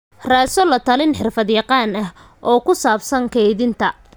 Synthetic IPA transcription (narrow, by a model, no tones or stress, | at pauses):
raːsɔlɐt̪ʰɐlɪnħɪrfɐd̪jɑqɑːnɐɦ | ʔɔːkʰʊsaːbsɐŋkʰɛjðɪnt̪ʰɐ